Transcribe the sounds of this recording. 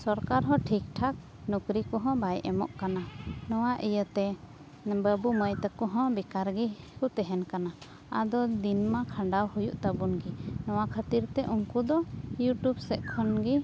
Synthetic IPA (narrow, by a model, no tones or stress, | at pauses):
sɔɾkaɾɦɔ̃ʈʰik̚ʈʰak̚ | nukɾikɔɦɔ̃bajʔɛmɔ̰ʔkananɔwaʔijət̪ɛ | bəbuməjt̪əkɔɦɔ̃bikaɾɡi | hut̪ɛɦɛnkana | a̰d̪ɔd̪inmakʰãɳɖawhujuʔt̪abunɡinɔwakʰat̪iɾt̪ɛʔuŋkud̪ɔjuʈubsɛʔkʰɔnɡi